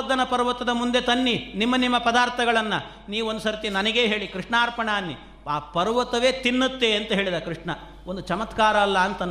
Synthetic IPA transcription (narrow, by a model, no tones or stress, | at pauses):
d̪ʱːɐnɐpɐɾʋɐt̪ɐd̪ɐmund̪e̞t̪ɐnːinimːɐnimːɐpɐd̪aːɾt̪ʰɐɡɐɭɐnːɐ | niːʋuond̪usɐɾt̪inɐnɐɡe̞ːɦe̞ːɭikɾiʂɳaːɾpɐɳaːnːi | aːpɐɾʋɐt̪ɐʋe̞ːt̪inːut̪ːe̞ɐnt̪ɐɦe̞ːɭid̪ɐkɾɨʂɳɐ | ond̪ut͡ʃɐmɐt̪kaːɾɐːlːɐːnt̪ɐn